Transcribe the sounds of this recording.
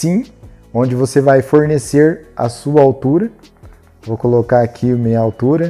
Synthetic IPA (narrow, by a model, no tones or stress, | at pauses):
sĩ | õd͡ʒɪvosevajfoɾneseɾɐ̰suɐawt̪uɾɐ | vowkolokaakʰiʊmĩɲɐawt̪uɾɐ